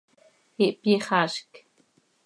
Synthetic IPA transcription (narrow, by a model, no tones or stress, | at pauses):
iʔpiχaʃk